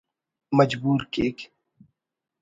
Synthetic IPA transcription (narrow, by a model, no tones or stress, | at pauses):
mɐd͡ʒbuːɾkeːk